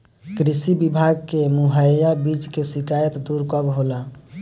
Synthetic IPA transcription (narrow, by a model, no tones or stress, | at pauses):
kɾisibibʱaɡkemuɦəjabit͡ʃkesikajət̪d̪uɾkəbɦola